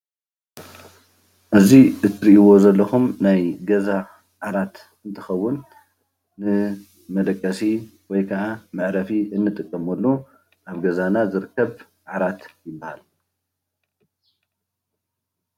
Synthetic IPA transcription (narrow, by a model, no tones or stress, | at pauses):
ʔɨziʔɨt̪ʰɨɾiʔiwo̞zɐlːɐxumnajɡɐza | ʕaɾat̪ | ɨnt̪ʰɨ̥xɐwːʊnː | ɨ | mɐd̪ʼɐkʼːɐsiwɔjkʰɐʔamɨʕɾɐfiʔɨnːɨt̪ʼɨkʼːɐmɐlːu | ʔaβɡɐzanazɨɾɨkʰːɐβ | ʕʕaɾat̪jɪbːaha̰l